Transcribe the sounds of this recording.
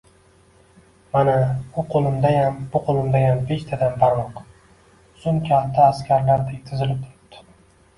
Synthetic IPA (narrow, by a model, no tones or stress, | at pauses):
manaʊqʰolˠɪmd̪ajambʊqʰolˠɪmd̪ajambe̞ʃt̪ʰad̪ambaɾmɒq | sʊnkʲʰat̪ʰːaːskʲʰaɾlaɾd̪at̪ʰɪzɪlɪp̚t̪ʰʊɾɪp̚t̪ɪ̥